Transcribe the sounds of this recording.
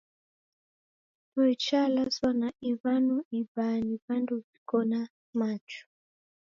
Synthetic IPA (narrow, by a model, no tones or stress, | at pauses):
twɛt͡ʃalaswanaiβanɔiβaniβanduvikɔna | mat͡ʃɔ̥